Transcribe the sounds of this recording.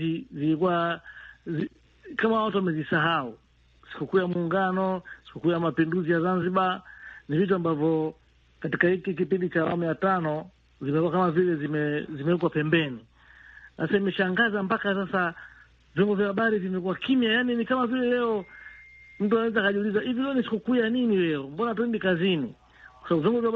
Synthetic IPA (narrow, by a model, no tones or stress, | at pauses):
izilikuwa | zi | kamawatuamɛzisaɦau | si̥kukujamuːŋɡanɔsi̥kukujamapinduzijazanziɓanivit̬uambavjɔ | katikahikik̬ipindit͡ʃaːwa̰mujatanɔ | zimɛkuwakamavilɛzimɛzimɛɛk̬wapɛmbɛni | sasaimɛʃaŋɡazampakasasa | vjɔŋɡɔvjahaɓaɾivimɛkuwakimjajaninikamavilɛlɛɔ | m̩tuanawɛzakaʄulizaivilɛnisi̥kukujaninilɛɔmbɔnatɛndikazini | kwasaaɓuvjɔŋɡɔvja